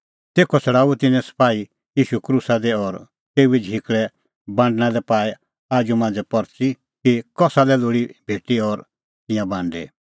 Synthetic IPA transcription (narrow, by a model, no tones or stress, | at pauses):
t̪eːkʰɔsʰɐɽaːut̪ɪnɛ̃sɐ̥paːi | jiːʃukɾuːsad̪ɛɔɾ | t̪eːuid͡ʒʱikɭɛ | bãːɳɖñalɛpaːɛ | aːd͡ʒumãːnd͡zɛpɔɾt͡si | kikɔsalɛloːɽibʱeːʈiɔɾ | t̪ɪ̃jãbãːɳɖḛ